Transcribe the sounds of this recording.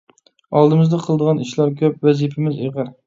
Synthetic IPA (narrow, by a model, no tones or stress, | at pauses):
ɑlˠd̪ɨmɪzd̪ɛqʰəlˠd̪əʁɑniʃlˠɑɾkʲʰøpwɛzipʰɪmɪzeʁɨɾ